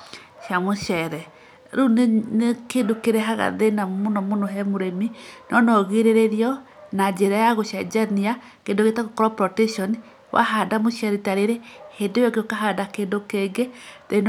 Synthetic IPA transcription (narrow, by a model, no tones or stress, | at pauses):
ʃjamoʃɛɾɛ | ɾunenekeːndokeɾɛɦaɣa̰ðenamonɔmonoɦɛmoɾeminɔnɔɣeɾeɾeɾiɔ | nad͡ʒeɾajaɣoʃjad͡ʒania | keːndoɣetaɣokɔɾɔpɾɔtɛʃɔni | wʔa̰ɦadamoʃɛɾitaɾeɾehendewɔkeokaɦadakendokeːŋɡeðen